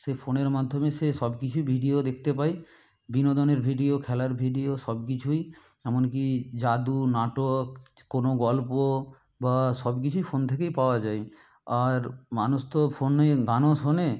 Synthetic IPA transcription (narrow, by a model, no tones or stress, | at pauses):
ʃefoneɾmad̪ʱːomeʃeʃɔbkit͡ɕʰujbʱiɖiod̪ek̚ʰt̪epaj | binod̪oneɾbʱiɖiokʰɛlaɾbʱiɖioʃɔbk̬it͡ɕʰuj | ɛmonk̬id͡ʑad̪unaʈokkːonoɡɔlpo | baʃɔbk̬it͡ɕʰujfʰont̪ʰekejpaoad͡ʑae | aɾmanuʃt̪ofʰoneɡanoʃone